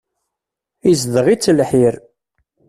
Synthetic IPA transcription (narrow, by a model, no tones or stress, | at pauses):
izðəʁit͡sːəlħiɾ